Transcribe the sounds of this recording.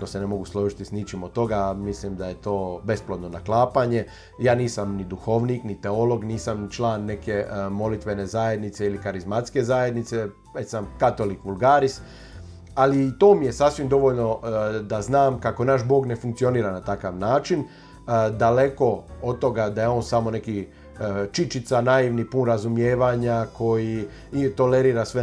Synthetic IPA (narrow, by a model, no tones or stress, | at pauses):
kose̞ne̞mo̞ɡuslˠoːʒit̪isnit͡ʃimot̪t̪ːo̞ɡamislimd̪aje̞t̪o̞ːbe̞splod̪no̞naklˠaːpaɲe̞ | jaːniːsamnid̪uxo̞ʋniːknit̪e̞o̞lo̞ɡniːsamt͡ʃlaːnːe̞ke̞mo̞lit̪ʋe̞ne̞zaje̞d̪nit̪se̞ilikaɾizmat̪ske̞zaːje̞d̪nit̪se̞ | et̪samkat̪o̞likʋulˠɡaːɾis | alit̪oːmije̞sasʋimd̪o̞ʋoʎno̞d̪aznaːmkako̞naʃbo̞ːɡne̞fuŋkt̪sio̞niːɾanat̪akaʋnaːt͡ʃin | d̪ale̞ko̞od̪̚t̪o̞ɡad̪aje̞o̞ːnsamo̞ne̞ki | t͡ʃit͡ʃit̪sanaiʋnipunɾazumjeːʋaɲakʰo̞ji | t̪o̞le̞ɾiːɾasʋe